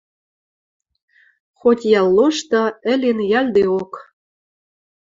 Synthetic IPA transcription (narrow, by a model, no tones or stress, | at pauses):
xotʲjɑlːoʃt̪ɤ̆ə̆lʲenjɑlʲd̪eok